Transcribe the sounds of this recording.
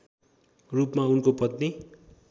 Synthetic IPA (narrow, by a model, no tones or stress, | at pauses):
rupmaunkopʌt̪ne